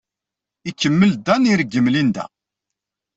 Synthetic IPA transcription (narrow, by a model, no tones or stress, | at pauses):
ikːəmːəld̪æniɾɡːəmlind̪æ̰